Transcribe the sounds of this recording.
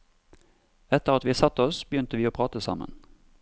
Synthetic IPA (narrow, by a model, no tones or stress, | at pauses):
ɛt̪əʁɑt̪ʋiːsɑt̪ːəɔsb̥əjʏnt̪əʋiːoːpʰʁɑːt̪əsɑ̰mə̰n